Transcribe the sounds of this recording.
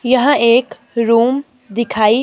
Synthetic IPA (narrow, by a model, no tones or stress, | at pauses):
jɐɦãeːk | ɾuːm | d̪ikʰai